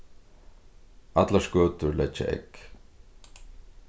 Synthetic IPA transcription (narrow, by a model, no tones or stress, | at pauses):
at̪laskœːt̪ʏɾlɛt͡ʃːa̰ʔɛ̰k